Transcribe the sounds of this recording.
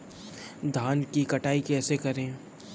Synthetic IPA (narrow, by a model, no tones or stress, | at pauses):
d̪ʱaːnkikɐʈaːikɛːsekɐɾẽː